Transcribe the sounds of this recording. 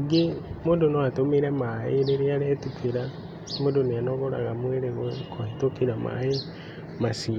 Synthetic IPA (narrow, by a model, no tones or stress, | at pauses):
ɡimodonoatomeɾemaiɾeɾialetukiɾa | modonianoɣoɾa̰ɣamweɾeɣwekohitokiɾama̰i | masi